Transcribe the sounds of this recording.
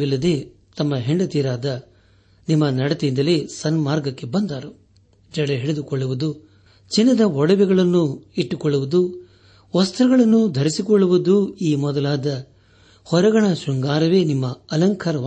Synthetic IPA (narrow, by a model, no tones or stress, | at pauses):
ilːɐd̪e̞ː | t̪ɐmːɐɦeɳɖɐt̪iːɾaːd̪ɐ | nimːɐnɐɽɐt̪eind̪ɐleːsɐnmaːɾɡɐkːe̞bɐnd̪aːɾu | d͡ʒɐɽeɦeɭed̪ukɔɭːuʋud̪u | t͡ʃinːɐd̪ɐɔɽɐʋɛɡɐɭɐnːuiʈːukɔɭːuʋud̪u | ʋɐst̪ɾɐɡɐɭɐnːud̪ʱɐɾisikɔɭːuʋud̪uiːmɔd̪ɐlaːd̪ɐ | hɔɾɐɡɐɳɐʃuŋɡaːɾɐʋe̞ːnimːɐɐlɐŋkʰɐɾɐʋ